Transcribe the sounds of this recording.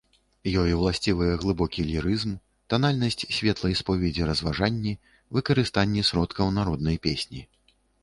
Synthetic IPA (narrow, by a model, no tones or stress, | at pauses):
jɔjwlˠasʲt͡sʲivɨjɛɣlˠɨbɔkʲilʲiɾɨzm | t̪analʲnɐsʲt͡sʲsʲvʲɛt̪lˠɐjspɔvʲɛd͡zʲiɾɐzvaʐanʲːi | vɨkɐɾɨst̪anʲːɛsɾɔt̪kɐwnaɾɔd̪̚nɐjpʲesʲnʲi